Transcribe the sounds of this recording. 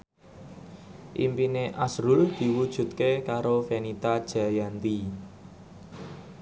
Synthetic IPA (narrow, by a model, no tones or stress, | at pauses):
ʔḭmpineʔasɾuld̪̥i̤wud̥ʒ̥ṳt̪̚kekaɾofenit̪ad̥ʒ̥a̤jant̪i